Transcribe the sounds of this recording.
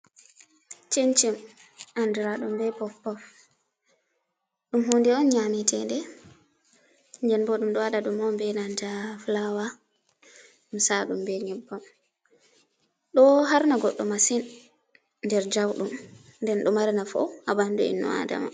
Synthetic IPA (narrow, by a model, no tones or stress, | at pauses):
t͡ʃent͡ʃim | ʔanduɾaɗumbɛpɔfpːɔf | ɗumɦondiɔnɲamitɛndɛ | ɲd͡ʒɛnbɔɗumɗɔwaɗaɗumɔmbɛnand͡ʒaflawa | ɗumsaɗumbɛɲɛbːam | ɗɔɦaɾnaɡɔɗːɔmasin | ndɛɾd͡ʒawɗum | ndɛnɗɔmaɾinafɔ̰abanduḭnːɔ̰a̰da̰ma̰